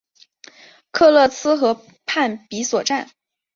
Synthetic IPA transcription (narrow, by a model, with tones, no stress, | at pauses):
kʰɤ˥˧lɤ˥˩sɹ̩˥xɤ˧˥ | pʰa˥˩npi˧˥swɔ˨˩ʈ͡ʂa˥˩n